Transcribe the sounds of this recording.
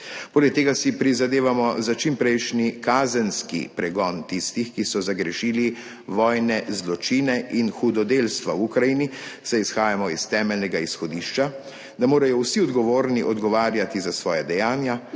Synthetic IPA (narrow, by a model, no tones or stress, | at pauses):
poːlɛk̚t̪eːɡasipɾizad̪eːʋamɔzat͡ʃimpɾɛjʃnikaːzɛnskḭpɾɛɡɔnt̪ist̪ixkisɔzaɡɾɛʃiːli | ʋɔːjnɛzlɔt͡ʃiːnɛʔinxud̪ɔd̪eːlst̪ʋawukɾajinisɛisxaːjamɔist̪ɛːmɛlnɛɡaisxɔd̪iʃt͡ʃa | d̪amoːɾajɔwsiɔd̪ɡɔʋoːɾniʔɔd̪ɡɔʋaːɾjat̪izasʋɔːjad̪ɛjaːnja